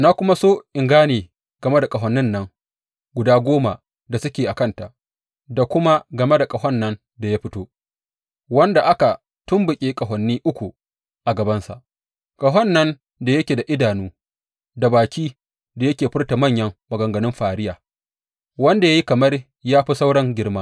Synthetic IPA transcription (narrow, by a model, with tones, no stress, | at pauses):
naː˦kʷʊ˦ma˦soː˦ʔɪ˨ŋɡaː˦neː˨ | ɡ̥ɐ˨me˦da˨kʼɐ˨ɦɐ˨nːɪ˦nːɐ˦ŋ | ɡʷʊ˨daː˦ɡʷoː˦ma˨ | da˨sʊ˦kʲeː˨ʔa˨kɐ˦nta˨ʔ | da˨kʷʊ˦ma˦ɡɐ˨me˦da˨kʼɐ˨hɔ˦nːɐ˦n | da˨ja˦ɸɪ˦toː˦ | wɐ˦nda˨ʔa˦ka˨ | tʊ˦mbʊ˨kʲʼeː˦kʼɐ˨ɦɔ˨nːiː˦ʔʊ˦kʷu˨ | ʔa˨ɡɐ˨bɐ˦nsa̰˨ʔ | kʼɐ˨ɦɔ˦nːɐ˦n | da˨jɐ˦kʲeː˨da˨ʔɪ˦daː˨nuː˦ | da˨baː˨kʲʰiː˦ | da˨jɐ˦kʲeː˨ɸɪ˦rta˨mɐ˦˨ɲjɐ˦ŋːɐ˨ɡɐ˨ŋɡɐ˨nɪ˦mɸaː˨ɽɪ˦jaː˨ | wɐ˦nda˨jaː˦ji˦kɐ˨mɐ˦r | jaː˦ɸi˦sa˦wɽɐ˦ŋɡʲɪ˦rmaː˦